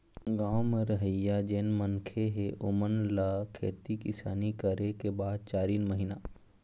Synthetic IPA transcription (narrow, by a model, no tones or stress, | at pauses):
ɡaːməɾəɦəjːad͡ʒeːnmənkʰeɦeʔʊmənlakʰḛːt̪ikɪsaːnikəɾekebaːd̪̚t͡ʃaːɾiːnməɦinaː